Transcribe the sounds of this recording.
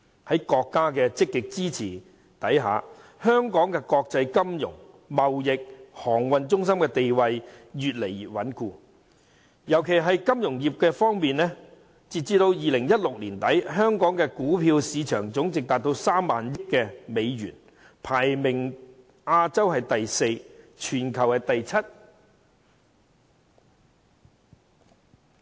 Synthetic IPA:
hɐ˨˦˥jkɔː˧kːaː˥kɛː˧t͡sɪ˥kːɪ˨k̚t͡siː˥t͡sʰḭː˨˩ | t̪ɐ˨˥jɦa̰ː˨ | hœː˥ŋkɔː˨˥ŋkɛː˧kɔː˧k̚t͡sɐ˧jkɐ˥mjʊ̰˨˩ŋ | mɐ˨wjɪ˨k̚hɔː˨˩ŋwɐ˨˧nt͡sʊ˥ŋsɐ˥mkɛ˧t̪e˨jwɐ˧jjyː˨t̚le˨˩j̚wɐ˨˥nkuː˧ | jɐ˨˩wkʰe˨jɦɐ˨jkɐ˥mjʊ˨˩ŋjiː˨p̚kɛː˧fɔː˥ŋmiː˨nlɛ˥ | t͡siː˨˩t̚t͡siː˧t̪o˧wjiː˨lɪ˨˩ŋjɐ˥t̚lʊ˨k̚liː˨˩nt̪ɐ˨˥jɦœː˥ŋkɔː˨˥ŋkɛː˧kuː˨˥pʰiː˧wsiː˨˧t͡ʃʰœː˨˩ŋt͡sʊ˨˥ŋt͡sɪ˨k̚t̪aː˨t̚t̪o˧wsaː˥mːa̰ː˨njɪ˥t̚kːɛː˧me˨˧jɥy̰ː˨˩n | pʰaː˨˩jmɪ˨˩ŋ | ʔaː˧t͡sɐ˥whɐ˨jt̪ɐ˨jse˧jt͡ʃʰyː˨˩nkʰɐ˨wkɛ˧t̪ɐ˨jt͡sʰɐ˥t̚

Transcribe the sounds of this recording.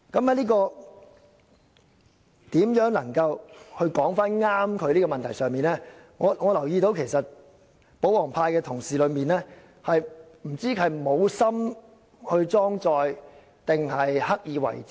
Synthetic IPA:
kɐ˨˥mhɐ˨˥jliː˥kɔː˧ | t̪iː˨˥mjœː˨˥ŋlɐ˨˩ŋkɐ˧whɵ˧ɥkɔː˨˥ŋfaː˥nŋaː˥mkʰɵ˨˧ɥliː˥kɔː˧mɐ˨nt̪ʰjsœː˨ŋmiː˨nlɛː˥ | ŋɔː˨˧ŋɔː˨˧lɐ˨˩wjiː˧t̪o˨˧wkʰe˨˩jsɐ˨t̚ | po˨˥wlɔː˨˩ŋpʰaː˧jkɛː˧t̪ʰʊ˨˩ŋsiː˨lɵ˨˧ɥmiː˨nɛː˥ | hɐ˨jm̩˨˩t͡siː˥kʰɐ˨˩jmo˨˧wsɐ˥m | hɵ˧ɥt͡sɔː˥ŋt͡sɔː˧j | t̪ɪ˨ŋhɐ˨jhɐ˥k̚jiː˨˧wɐ̰˨˩j

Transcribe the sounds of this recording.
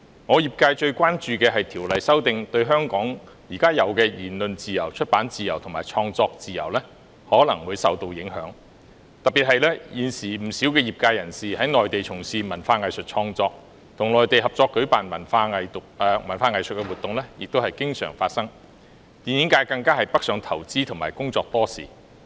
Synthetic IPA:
ŋɔː˨˧jiː˨p̚kaː˧jt͡ʃɵ˧ɥkʷaː˥nt͡ʃyː˨˧kɛː˧ɦɐ˨jt̪ʰiː˨˩wlɐ˨jsɐ˥wt̪ɪ˨ŋt̪ɵ˧ɥɦœː˥ŋkɔː˨˥ŋ | jiː˨˩kaː˥jɐ˨˧wkɛː˧jiː˨˩nlɵ˨nt͡siː˨jɐ˨˩wt͡ʃʰɵ˥t̚paː˨˥nt͡siː˨jɐ˨˩wt̪ʰmaː˨jt͡ʃʰɔː˧ŋt͡sɔː˧k̚t͡siː˨jɐ̰˨˩wlɛː˥ | hɔː˨˥lɐ˨˩ŋwuː˨˧jsɐ̰˨wt̪o˧wjɪ˨˥ŋɦœ̰ː˨˥ŋ | t̪ɐ˨p̚pi˨t̚hɐ˨jlɛː˥jiː˨nsiː˨˩m̩˨˩siː˨˥wkɛː˧jiː˨p̚kaː˧jɐ˨˩nsiː˨hɐ˨˥jŋɔː˨jt̪e˨jt͡sʰʊ˨˩ŋsiː˨˧mɐ˨˩nfaː˧ŋɐ˨jsɵ˨t̚t͡ʃʰɔː˧ŋt͡sɔː˧k̚ | t̪ʰʊ˨˩ŋlɔː˨jt̪e˨jɦɐ˨p̚t͡sɔː˧kːɵ˨˥ɥpaː˨nmɐ˨˩nfaː˧ŋɐ˨j̪ʊ˨kːmɐ˨˩nfaː˧ŋɐ˨˩jsɵ˨t̚kɛ˧wu˨t̪ʊ˨ŋlɛː˥jɪ˨k̚t̪o˥whɐ˨jkɪ˥ŋsœ̰ː˨˩ŋfaː˧t̚sɐ˥ŋ | t̪iː˨˩njɪ˨˥ŋkaː˨˥jkɐ˧ŋkaː˥hɐ˨jpɐ˥k̚sœː˨˧˥ŋt̪ʰɐ˨˩wt͡siː˥t̪ʰʊ˨˩maː˨˩jkʊ˥ŋt͡sɔː˧k̚t̪ɔː˥sḭː˨˩

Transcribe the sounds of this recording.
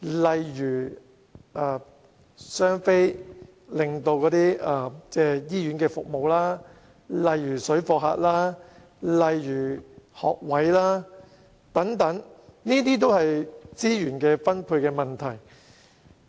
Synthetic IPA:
lɐ˨jɥyː˨˩ | ʔaː˧˩ | sœː˥ŋfe˥j | lɪ˨ŋt̪o˧wkɔː˨˧˥t̪iː˥aː˧t͡sɛː˥˩jiː˥jyː˨˥nkɛː˧fʊ˨k̚mo˨wlaː˥ | lɐ˨˧jːyː˨˩sɵ˨˥ɥfɔː˧k̚ɦa̰ː˧t̚laː˥ | lɐ˨jjyː˨˩hɔ̰ː˨k̚wɐ˨˥jlaː˥ | t̪ɐ˨˥ŋt̪ɐ˨˥ŋniː˥t̪̬iː˥t̪̬o˥whɐ˨jt͡siː˥jyː˨˩nkɛː˧fɐ˥npʰuː˧kɛː˧mɐ˨nt̪ʰɐ˨˩j

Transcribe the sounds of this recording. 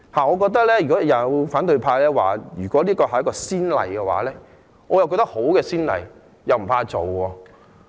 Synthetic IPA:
haː˨˩ŋɔː˨˧kɔː˧k̚t̪̬ɐ˥k̚lɛː˥jy˨˩kɔ˨˦jɐ˨˧wfaː˨˥nt̪ɵ˧ɥpʰaː˧lɛː˥wa̰ː˨jyː˨˩kʷwɔː˨˥liː˥kɔː˧hɐ˨jɐ˥kːɔː˧siː˥nlɐ̰˨˩jkɛː˧wa̰ː˨˥lɛː˥ | ŋɔː˨˧jɐ˨˩wkɔ˧t̪ɐ˥k̚ho˨˥wkɛː˧siː˥nlɐ̰˨˩j | jɐ˨wm̩˨˩pʰaː˧t͡so˨˩wɔː˧

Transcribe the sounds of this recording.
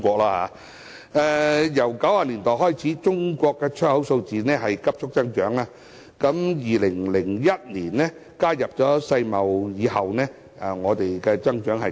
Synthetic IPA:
kʷɔː˧k̚laː˧˥ha̰ː˨˧˥ | ɛː˨˧jɐ˨˩wkɐ˨˥whaː˧liː˨˩nt̪ɔː˨˩jɦɔː˥jt͡sʰiː˨˥t͡ʃʊ˥ŋkʷɔː˧kːɛː˧t͡ʃʰœ˥hɐ˨˥wso˧wt͡siː˨nɛː˥ɦɐ˨jkɐ˥p̚t͡ʃʰʊ˥k̚t͡sɐ˥ŋt͡ʃœː˨˥ŋaː˧ | kɐ˨˥mjiː˨lɪ˨˩ŋlɪ˨˩ŋjɐ˥t̚niː˨˩nnɛ˥ | kaː˥jɐ˨p̚t͡sɔː˨˥sɐ˧jmɐ˨˩wjiː˨˧hɐ˨wnɛː˥ | ʔɛ˨˩ŋɔː˨˧t̪e˨jkɛː˧t͡sɐ˥ŋt͡ʃœː˨˥ŋɦɐ˨

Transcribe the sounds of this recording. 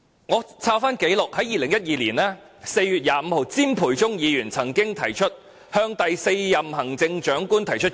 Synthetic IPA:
ŋɔː˨˧t͡sʰaː˥wfaː˥nke˨˥jlʊ˨k̚hɐ˨˥jiː˨lɪ˨˩ŋjɐ˥t̚jiː˧liː˨˩naː˥ | se˧jjyː˨t̚jaː˨˧m̩˨˧ho˨˧wt͡siː˥mpʰuː˨˩jt͡sʊ˥ŋjiː˨˧jyː˨˩nt͡sʰɐ˨˩ŋkɪ˥ŋt̪ʰɐ˨˩jt͡ʃʰɵ˥t̚ | hœː˧ŋt̪ɐ˨jse˧jːɐ˨mhɐ˨˩ŋt͡sɪ˧ŋt͡ʃœː˨˥ŋkuː˥nt̪ʰɐ˨˩jt͡ʃʰɵ˥t̚

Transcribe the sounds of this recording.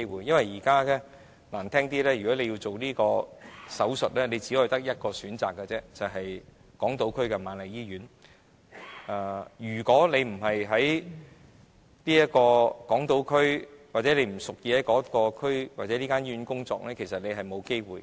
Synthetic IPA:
wuː˨jɐ˥nwɐ˨jiː˨˩kaː˥kɛ˥ | laː˨˩nt̪ʰɛː˥ŋt̪iː˥lɛː˥jɥyː˨˩kɔː˨˥le˨˧ji˧wt͡so˨wniː˥kɔː˧sɐ˨˥wsɵ˨t̚lɛː˥le˨˧jt͡siː˨˥˧t̪ɐ˥k̚jɐ˥t̚kɔː˧syː˨˥nt͡sa̰ː˨kːɛ˧t͡sɛː˥t͡sɐ˨˩wɦɐ˨j | kɔː˨˥ŋt̪o˨˥wkʰɵ˥ɥkɛ˧maː˨nlɐ˨˩jiː˥jyː˨˥n | aː˨˧˩jyː˨˩kɔː˨˥le˨˧jm̩˨˩ɦɐ˨jɦɐ˨˥j | niː˥jɐ˥t̚kɔː˧kɔː˨˥ŋt̪o˨˥wkʰɵ˥ɥwaː˨t̚t͡sɛ˨˦˥le˨˧m̩˨˩sʊ˨k̚jiː˧ɐ˨˥jkɔː˨˥kɔː˧kʰɵ˥ɥwaː˨t̚t͡sɛː˨˦liː˥kaː˥njyː˧nkʊ˥ŋt͡sɔ̰ː˧k̚lɛː˥kʰe˨˩sɐ˨t̚ne˨˧jɦɐ˨jmo˨˧wke˥jwuː˨j

